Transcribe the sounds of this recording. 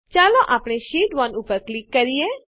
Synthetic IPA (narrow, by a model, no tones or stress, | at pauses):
t͡ʃaːloʔaːpɽ̃eʃiːʈʋɔnupəɾklikːəɾije